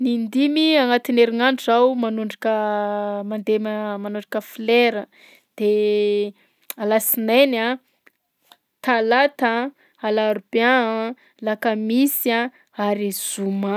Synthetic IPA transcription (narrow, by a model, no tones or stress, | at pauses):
nind̪imiaŋat̪ineɾinaɳʈ͡ʂawumanuɳɖ͡ʐikəmand̪eməmanuɳɖ͡ʐəkəfleɾə | d̪̥e | alasinena | t̪alat̪a | alaɾba | lakamisia | aɾiz̥uma